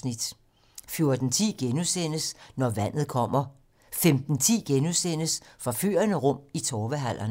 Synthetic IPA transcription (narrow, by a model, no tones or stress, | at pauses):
nid̥ | fjo̝ɐd̥n̩t͡sʰḭːɡ̥enusen̰əsnɒʋæn̰ð̩ˠkʰɒ̽m̰ɐ | femd̥n̩t͡sʰḭːɡ̥enusen̰əsfʁɑ̈fy̰ːɐnəʁɔ̽m̰it͡sʰɒːʋəɦæl̰ʔɐn